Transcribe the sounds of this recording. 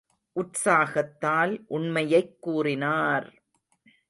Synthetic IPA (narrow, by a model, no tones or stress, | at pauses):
ʔʊʈsaːɣɐt̪ːaːlʔʊɳmɐjɐɪkːuːrɪnaːɾ